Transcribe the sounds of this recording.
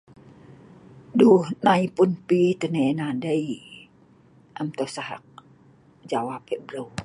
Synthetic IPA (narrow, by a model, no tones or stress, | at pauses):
duhnaipʊnpit̪ənenadəi | ʔamt̪osaɦa̰k̚ | d͡ʒawapɛʔbəɾəw